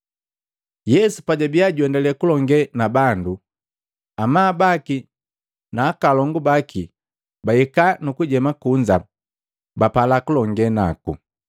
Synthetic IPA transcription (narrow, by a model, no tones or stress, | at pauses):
jɛsupaɟabiaɟwɛndalɛkulɔŋɡɛnabandu | amaːbaki | naːkalɔŋɡubaki | baikanukuɟɛmakuɲd͡ʒa | bapalakulɔŋɡɛna̰kṵ